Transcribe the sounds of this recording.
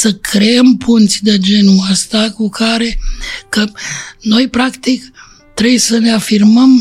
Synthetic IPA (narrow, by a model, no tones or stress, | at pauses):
səkʰɾeempʰunt̪sʲd̪ed͡ʒe̞nuəst̪akukʰaɾe̞kəno̞jpɾakt̪ik | t̪ɾejsəne̞afirməm